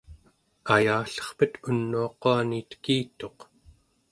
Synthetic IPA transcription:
ajaːɬʌ̥χpət̪ʰunːuɑquanit̪kiːt̪o̞q

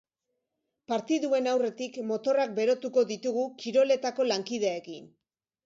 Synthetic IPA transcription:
paɾt̪iðue̞nawre̞t̪ikmo̞t̪o̞rak̚be̞ɾo̞t̪uko̞ðit̪uɣukiɾo̞le̞t̪ako̞laŋkið̞eaekin

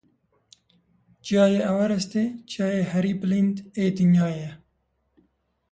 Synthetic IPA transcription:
t͡ʃjɑːjeɐwɐɾɛst̪et͡ʃɑːjeːhɐɾiːplind̪eːt̪iɲjɑːjɛ

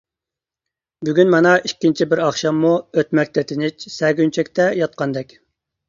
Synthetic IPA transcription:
byɡʲynmɑnɑikʲːint͡ʃʰibɪɾɑχʃɑmːuøt̪mɛk̚ʲt̪ʰɛt̪ʰɪnɪt͡ʃsɛɡʲynt͡ʃʰɛkʲt̪ʰɛjɑt̪̚qɑnd̪ɛkʲ

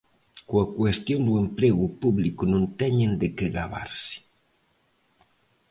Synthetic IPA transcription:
koɐkwest̪jond̪uempɾeɣʊpuβlikʊnõnt̪ɛɲend̪ɪkɪɣaβa̰ɾsɪ̥

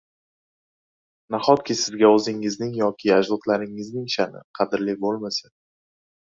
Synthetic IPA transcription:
naχɒt̪̚kʲɪsɪzɡʲaɵzɪŋɪznɪŋjɒkʲʰɪad͡ʒlˠɒt̪ʰlaɾɪŋɪznɪŋʃanɪ̰qʰɑd̪ɪɾlibolˠmasa

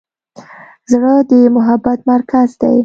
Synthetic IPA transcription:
zɽəd̪əmʊɦabːat̪maɾkazd̪a̰j

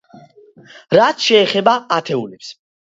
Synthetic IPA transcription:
ɾat̪sʃɛːχɛbaat̪ʰɛulɛps

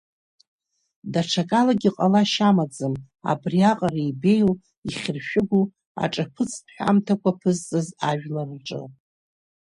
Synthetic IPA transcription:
daʈ͡ʂʰakʼalaɡʲiqʼalaʃamad͡zɨm | a̰briaqʼaraibe̞jl | iχʲɪrʃᶣɪɡʷu | a̰ʈ͡ʂʼapʰɨt͡sʰpʰħʷᶣa̰mtʰakʷʰapʰɨzt͡sʼɨzaʒᶣlarʈ͡ʂʼɨ̰

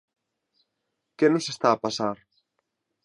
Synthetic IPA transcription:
kenʊsest̪aːpasaɾ

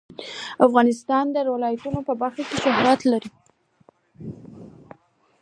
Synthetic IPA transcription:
afɣɑnɪst̪ɑnd̪əɾwalɑjat̪unopəbaɾxakeʃaɦɾat̪laɾi

